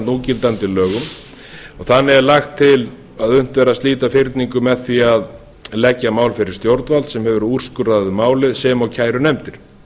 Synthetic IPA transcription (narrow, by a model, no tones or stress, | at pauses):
nuːcɪlt̪ant̪ɪlœːɣʏm | ɔɣθanːɪɛɾlaxt̪ʰːɪl | aðʏn̥t̪vɛːɾast̪liːt̪afɪɾt̪niŋkʏmɛðθiað | lɛcːamaːwlfɪɾɪɾ̥st̪jowɾt̪nvalt̪sɛmhɛvʏɾur̥skʏɾaðʏmaːwlɪðsɛːmawcʰaːjɾʏnɛmt̪ɪɾ̥